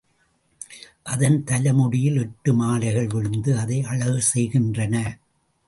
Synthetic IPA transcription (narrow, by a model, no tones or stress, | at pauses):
ʔɐðɐnt̪ɐlɐmʊɽɪjɪlɛʈːɯmaːlɐɪɣɐɭʋɪɻɯnd̪ɯɐðɐɪʔɐɭɐɣɯsɛjɣɪndrɐnɐ